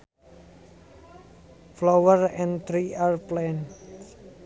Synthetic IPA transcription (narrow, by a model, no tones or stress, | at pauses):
flowərɛ̃nt̪ɾiarplɛn